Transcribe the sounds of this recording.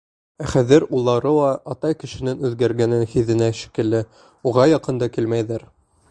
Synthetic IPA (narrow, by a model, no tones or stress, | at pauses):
æχæðɘɾulˠːɑɾɤlˠɑʔɑt̪ɑjkɘ̆ʃɘ̆nɘnʉðɡæɾɡænɘnhiðɘ̆næʃi̥kɘ̆lːɘ | uʁɑjɑqɤ̆nd̪ɑkilmæjðæɾ